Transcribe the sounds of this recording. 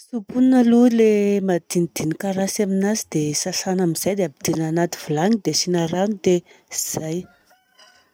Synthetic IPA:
supunnalulemad̪inid̪̥inikaɾasaminazid̪̥esaɬanamiz̥ajd̪eabid̪̥inanat̪i̥vulaŋid̪esinaɾanid̪eiz̥aj

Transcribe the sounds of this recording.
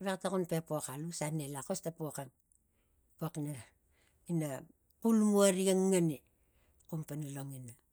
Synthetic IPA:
βektakunpepokalusanelakostapokan | poakna | ina | kulmuaɾiaŋːani | kumpanalo̞ŋina

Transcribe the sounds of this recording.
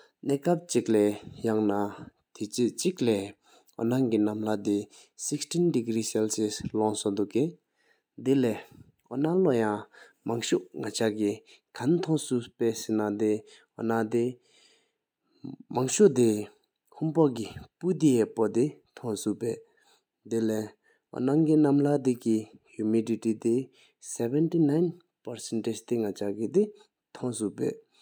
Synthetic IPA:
neːkap̚t͡ɕik̚lɛːjaŋna | t̪it͡ɕik̚lɛː | ɔ̰naŋkinamlad̪i | sikstʰindiɡɾiːsɛlseslɔŋsod̪uʔkːe | d̪ilɛː | onalojaŋmaŋɕuʔŋat͡ɕʰaki | kʰant̪ʰɔŋsupeːsinad̪e | ho̰nad̪e | maŋɕod̪i | hʰumpok̬ipud̪ijɛpod̪it̪ʰɔŋsupɛː | d̪elɛ | o̰naŋɡinamlad̪ikihumiditit̪i | sɛbɛntinaɪn | pasɛnted͡ʑt̪eŋat͡ɕakid̪i | t̪ʰɔŋsuʔpɛ̰ʔ

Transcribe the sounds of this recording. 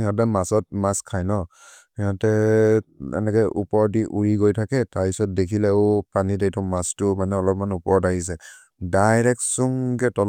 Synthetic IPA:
ijat̬ɛmasɔt̚maskʰajnɔ | ijatɛ | ɛ̰nɛkɛʔupɔɹdiʔuɹiɡojtʰakɛtaɹpisɔt̚dekʰilɛʊpanidejtɔmastʊmanɛɔlɔpmanupɔɹdaɦis̬ɛ | dajɹɛk̚tsuŋɡɛtɔl

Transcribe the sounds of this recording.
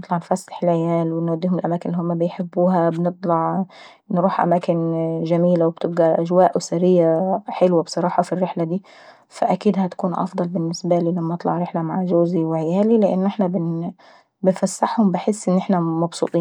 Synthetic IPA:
ɨt̪ˤlɑʕnfasːḁħɪlʕɪjaːlwɪnwad̪ːiːhʊmɪlʔamaːkɪnʔlːihʊmːabɪjħɪbːuːɦabɪnɨt̪ˤlɑʕ | nɾuːħʔa̰maːkɪnʒamiːlawɪb̚t̪ɪb̚ɡaʔaʒwaːʔʔsaɾɪjːaħɪlwabsˤɑɾˤɑːħɑfirːɪħlad̪iː | faʔakiːd̪hæt̪ḁkuːnʔɑ̰fd̪ˤɑlbɪnːɪsbaliːlamːænɑt̪ˤlɑ̰ʕɾɪħlamaʕʒoːziwʕɪjaːlilɪʔɪ̰nːʔɪħnabɪn | bɪnfasːaħhʊmbɪħɪsːʔɪnːʔɪħnamɑbsˤṵːt̪ˤiːn

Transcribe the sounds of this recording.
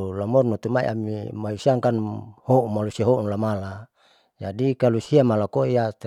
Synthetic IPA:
lamɔrnot̪umaḭʔa̰mḭmausiaŋkanhoumalusiaɦounlamala | d͡ʒadikalusiamalakojat̪

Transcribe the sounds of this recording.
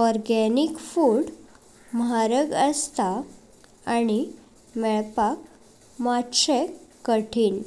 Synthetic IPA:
ɔɾɡɛnikfuɽ | mɦaɾəɡəst̪a | ani | mɛɭpak | matɕekkːəʈʰiːn

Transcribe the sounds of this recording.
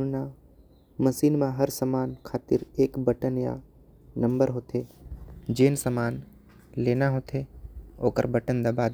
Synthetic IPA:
na | məsiːnmãɦəɾsəmaːnkʰaːt̪ɪɾeːkbəʈənja̰ | nɐ̃mbəɾɦoːt̪ʰeːd͡ʒeːnsəmaːn | leːnaɦoːt̪ʰeo̰ːkə̰ɾbəʈənd̪abaːd̪

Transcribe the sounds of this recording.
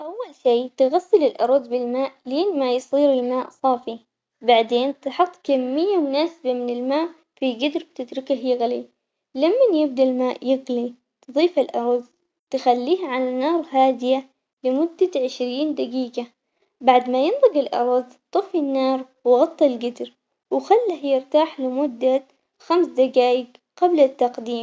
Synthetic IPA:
ʔawːalʃiːt̪ɪɣasːɪlɪlʔɑ̰ɾˤðˤbɪlmaːʔleːnmajsˤiːɾɪlmaːʔsˤɑːfi | baʕd̪eːnt̪ɪħɑt̪ˤːkamːɪjːamʊnaːsɪbamɪnɪlmaːʔ | fiɡɪd̪ɾɪb̚t̪ɪd̪ɾɪkaɦjɪɣli | lamːanjɪbd̪almaːʔjɪɣli | t̪ɨðˤiːfalʔɑɾˤðˤ | t̪ɪxalːiːhaʕalanɑːɾˤɦaːd̪ɪja | lɪmʊd̪ːaʕɪʃɾiːnd̪aɡiːɡa | baʕd̪majɪnðˤɨɡɪlʔɑ̰ɾˤɑðˤt̪ˤɨfinːɑːɾˤwɪɣɑt̪ˤːɑlɡɪd̪ɾ | wxalːahjɪɾt̪aːħlɪmʊd̪ːa | xamsd̪aɡaːjɪɡ | qɑblat̪ːɑqd̪iːm

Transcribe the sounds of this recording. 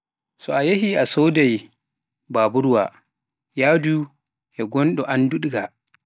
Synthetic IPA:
sɔajehiasowdɛj | baːbuɾuwa̰ | jadu | ʔɛɡɔnɗɔʔanduɗɡa

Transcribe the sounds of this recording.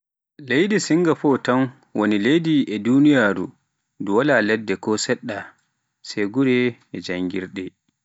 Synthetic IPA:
lejdisiŋɡafɔtan | wonilejdiʔɛdunijaːɾṵ | duwalalɛdːɛkɔsɛɗːa | sɛɡuɾɛɛd͡ʒaŋɡiɾɗɛ

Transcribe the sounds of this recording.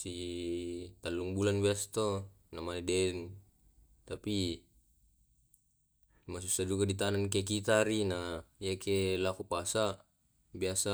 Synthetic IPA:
si | t̪alːuŋbulanbiast̪o | namanedɛn | t̪api | mas̬usad͡ʒuɡadit̪anankek̬it̪aɾinaiakelakupasa | biasa

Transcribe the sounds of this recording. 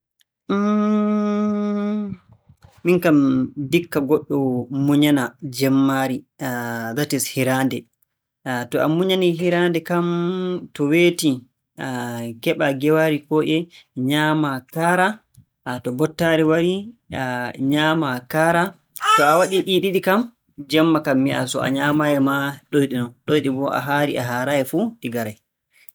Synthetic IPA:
minkamdikːaɡɔɗːɔmuɲanad͡ʒɛmːaɾi | datishiɾaːndɛ | tɔʔamuɲaniɦiɾandɛkamtɔweːti | aɡɛɓaɡɛwaɾikɔʔɛɲaːmakaːɾa | tɔbɔtːaɾiwaɾi | ɲaːmakaːɾa | tɔawaɗiɗiɗiɗikam | d͡ʒɛmːakamːia̰sɔ̰a̰ɲaːmajɛmaɗojɗinɔnɗojɗibɔʔa̰ɦaɾḭʔaɦaɾaɛfuɗiɡaɾaj

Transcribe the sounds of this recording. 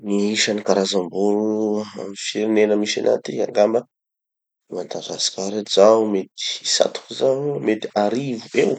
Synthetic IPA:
niiʃanikaɾazambuɾua̰mifiɾinenəmiʃanʔa̰t̪ia̰ŋɡambə | mant̪azasi̥kʲaɾezaumet̪i̥sa̰t̪u̥kuzaɲumet̪i̥aɾivuew

